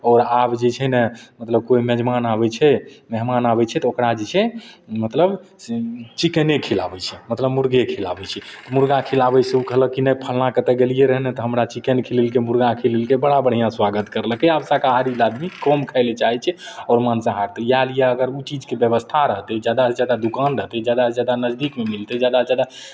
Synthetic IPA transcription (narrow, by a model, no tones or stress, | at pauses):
ɔɾabd͡ʒet͡ʃʰɛnɛmət̪ləb̚koimɛd͡ʒmanabɛt͡ʃʰɛmɛɦmanabɛt͡ʃʰɛt̪ɔokɾad͡ʒet͡ʃʰɛmət̪ləb | t͡ʃikənekʰila̰bɛt͡ʃʰɛmət̪ləbmuɾɡekʰilabɛt͡ʃʰɛt̪ɔmuɾɡakʰilabɛseukəɦləkinɛjpʰəlnakət̪ɛɡelijeɾəɦnɛt̪ɔɦəmɾat͡ʃikənkʰililkemuɾɡakʰililkebəɽabəɽ̤ijãswaɡət̪kəɾləkɛabsakaɦaɾilad̪mikɔmkʰəɪlet͡ʃaɦɛt͡ʃʰɛ | ɔːɾmansaɦaɾt̪ɔjalijaəɡəɾut͡ʃid͡ʒkebjəbəst̪ʰaɾəɦt̪ɛd͡ʒjad̪ad͡ʒjad̪ad̪ukanɾəɦt̪ɛd͡ʒad̪ased͡ʒjad̪anəd͡ʒd̪ikmemilt̪ɛd͡ʒjad̪ad͡ʒjad̪a